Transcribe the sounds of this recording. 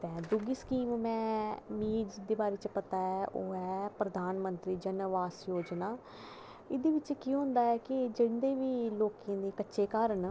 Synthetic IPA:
t̪ɛ̃ːd̪ʊɡiːskiːmmɛ̃ːmiːd͡ʒd̪eːbaːɾeːt͡ʃpət̪aːɛʔo̰ːɛːpɾəd̪aːnmənt̪ɾiːd͡ʒənʋaːsjoːd͡ʒnaː | ɪd̪eːʋɪt͡ʃkiɦʊ̃nd̪aːɛːkɪd͡ʒɪnd̪eːʋiːloːkẽːd̪eːkətːʃeːkaːɾəɳ

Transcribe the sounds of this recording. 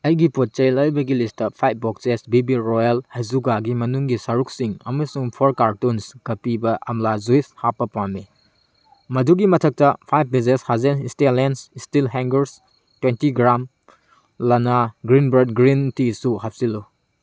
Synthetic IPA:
ɐjɡipot̚t͡ʃɐjlɐjbɐɡilistɐpʰajp̚ʰbɔksesbibiɾɔjalhɐjzuɡaɡimɐnuŋɡisɐɾuk̚siŋɐ̰mɐsuŋpʰoɾkaɾtunskɐpibɐʔɐmlazujshapːɐpame | mɐduɡimɐtʰɐk̚tɐpʰajp̚ʰbizeshazenistetlensistilɦɛŋɡɐɾs | twentiɡɾam | lɐnaɡɾinbɐd̚ɡɾintisuhɐp̚silu

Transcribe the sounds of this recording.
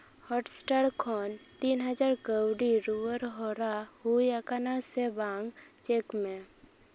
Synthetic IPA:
hɔʈsʈaɽkʰɔːnt̪iːnɦəd͡ʒaːɾkəwɖiɾuʋəɾɦoɾaɦujakanasebãːŋɡt͡ʃeːkmẽ

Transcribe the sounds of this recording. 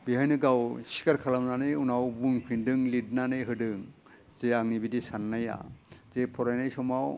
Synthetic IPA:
biɦajnɯɡawsi̥kaɾkʰalamnanɯjunawbuŋpʰindɯŋlid̚nanɯjɦɯdɯŋ | z̥eaŋnibidisanːaja̰z̥epʰɔɾajnajsɔmaw

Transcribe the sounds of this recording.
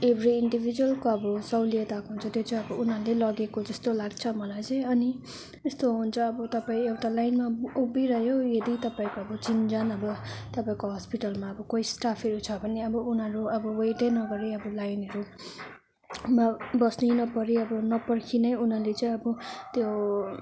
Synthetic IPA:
ebʱriːɳɖibʱid͡zuʌlkoʌbʌsʌwlied̪akɦunt͡sʰʌt̪jot͡sãʌbʌunɦʌlelʌɡekod͡zʌst̪olaɡt͡sʰʌmʌlajt͡sʌĩʌni | est̪oɦunt͡sʰʌːbʌt̪ʌpaĩewʈalajnmaubiɾʌɦjojʌd̪it̪ʌpaĩkoʌbʌt͡sind͡zanʌbʌt̪ʌpaĩkoɦʌspiʈʌlmaʌbʌkoisʈapʰʌɾut͡sʰʌbʌneʌbʌunɦʌɾuʌbʌwejʈenʌɡʌɾeʌbʌlajnʌɾu | mabʌsninʌpʌɾiʌbʌnʌpʌrkʰinʌjun̤alet͡saĩʌbʌt̪jo

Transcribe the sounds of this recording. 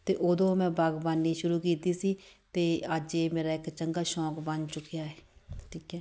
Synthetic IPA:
t̪eːʔoːd̪õːmɛ̃ːbaɡbaːnːiːʃʊɾuːkiːt̪iːsiːt̪eːəd͡ʒeːmeːɾaːɪkt͡ʃəŋɡaːʃɔːkbənt͡ʃʊkːɪjaːɛːʈʰiːkɛː

